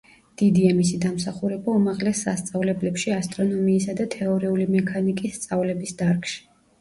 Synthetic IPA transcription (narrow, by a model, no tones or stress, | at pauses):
d̪̥id̪iamisid̪amsaχuɾɛbaumaʁlɛsːa̰st̪sʼavlɛblɛpʃiast̪ʼɾɔnɔmiːsad̪at̪ʰɛɔɾiulimɛkʰanikʼisːt̪sʼavlɛbisd̪aɾkʼʃi̥